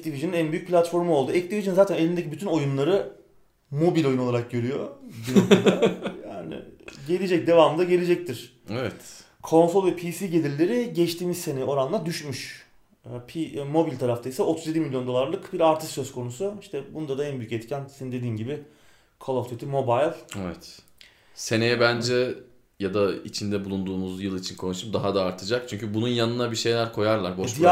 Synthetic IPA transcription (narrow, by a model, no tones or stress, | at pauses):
ɛct̪iviʒininænbyjyc̚ʲpʰlʲat̪fo̞ɾmuo̞lˠd̪uɛc̚t̪iviʒinnzaːt̪ʰæne̞lʲind̪ecʰibyt̪ʰyno̞junlˠaɾɯ | mo̞bilʲojunoaɾak̚ɟø̞ɾyjo̞binokud̪aja̰ːnɪ̰ɟe̞lʲed͡ʒɛc̚d̪e̞vaːmɯnd̪aɟe̞lʲed͡ʒɛc̚t̪ʰiɾ̥ | ɛvɛt̪ | kʰo̞nso̞lˠvɛpʰisiːɟe̞lʲiɾlʲe̞ɾiɟɛt͡ʃt̪ʰiːmizse̞neo̞ɾanlˠad̪yʃmyʃ | pʰimo̞bilʲt̪ʰaɾaft̪ʰajsao̞t̪ʰuzje̞d̪imilʲjo̞nd̪o̞lˠaɾlˠɯkbiɾaɾt̪ʰist̪ːøskʰo̞nusuiʃt̪ʰɛbunud̪ad̪aænbyjycɛt̪cʰænsenind̪e̞d̪iːnɟibɪ | kʰolˠoft̪ʰet̪ʰimo̞bajlˠevɛt̪ | se̞ne̞jɛbænd͡ʒɛ | jad̪ait͡ʃʰind̪ɛbulˠund̪uːmuzjɯlˠit͡ʃʰinkʰo̞nuʃumd̪aɦad̪aːɾt̪ʰɯd͡ʒak̚t͡ʃʰyɲcʰybununjanɯnabiʃe̞jlʲæɾkʰo̞jaɾlˠaɾbo